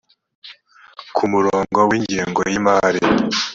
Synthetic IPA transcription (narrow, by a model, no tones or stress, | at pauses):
kʰumuɾoːŋɡo̞wiːɲɟiːŋɡo̰jimaːɾi